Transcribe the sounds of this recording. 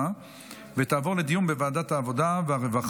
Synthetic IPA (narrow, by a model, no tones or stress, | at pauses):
a | vet̪aːvo̞ʁle̞d̪ijumbevaːd̪at̪haːvo̞d̪aveaʁevaχ